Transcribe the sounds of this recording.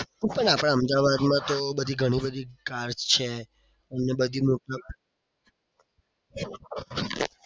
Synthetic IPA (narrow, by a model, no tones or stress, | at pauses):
pəɳapɽãəmd̪aʋad̪mãt̪obəd̪ʱiɡʱəɽ̃ibəd̪ʱikaɾd͡ʒt͡ʃʰe | ənebəd̪ʱimoʈa